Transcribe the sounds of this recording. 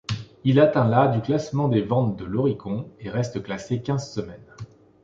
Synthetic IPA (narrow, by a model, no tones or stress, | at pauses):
ilat̪ɛ̃lad̪yklasmɑ̃d̪evɑ̃t̪d̪əlɔʁikɔ̃eʁɛst̪əklasekʲɛ̃zsəmɛn